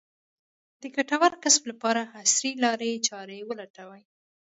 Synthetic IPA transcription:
d̪əkaʈawaɾkɪsmlapɑɾahasɾilɑɾet͡ʃɑɾewəlaʈawaj

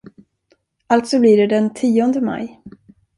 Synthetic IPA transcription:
alt̪sɔbliɖɛd̪ɛnt̪ʰiːɔnd̪əma̰j

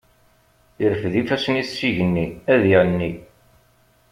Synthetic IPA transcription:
iɾəfðifæsnisːiʝənːiæðiʕnːi

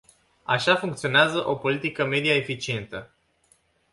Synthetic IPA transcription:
a̰ʃafuŋk̚t̪sio̞neazəʔo̞po̞lit̪ikəme̞d̪iaefit͡ʃie̞nt̪ə

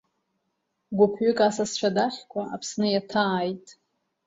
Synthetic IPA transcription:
ɡʷʊpʰɥʏkʼasast͡ʃʷʰadaχʲkʷʰaapʰsnɨjatʰaːjtʼ

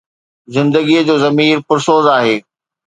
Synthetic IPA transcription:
zɪ̃nd̪əɡiəd͡ʑoːzɐmiːɾpʊɾsoːzaːɦeː

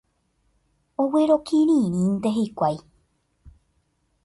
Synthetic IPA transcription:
oweɾo̞kʰiɾĩɾ̃ĩnt̪eɦekʷaj

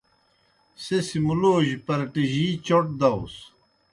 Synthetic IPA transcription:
sesimuloːʑpɐɾɐʈiʑiːt͡ɕoʈ̚d̪ɐos

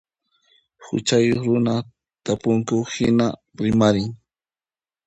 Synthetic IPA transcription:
xʊ̰t͡ʃajoχɾʊna | t̪apʊŋkʊhɪna | ɾɪmaɾɪŋ

